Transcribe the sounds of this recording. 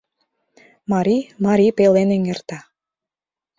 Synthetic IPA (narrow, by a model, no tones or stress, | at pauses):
mɑɾʲimɑɾʲipeleneŋert̪ɑ